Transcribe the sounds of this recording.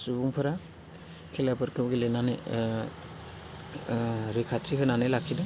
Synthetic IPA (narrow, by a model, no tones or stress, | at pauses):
subuŋpʰɯɾa | kʰelapɯɾkʰɯmɡelenane | ɾikʰatiɦɯnanelakʰidɯ